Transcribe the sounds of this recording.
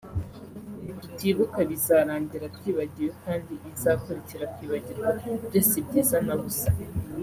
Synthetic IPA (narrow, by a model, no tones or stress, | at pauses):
βitiβukaβizaːɾaːɲɟiɾatwiːβaɟiɾwekaːndiizakoɾiciɾatwiːβaɟiɾwabɟesibɟiːzanaβusḁ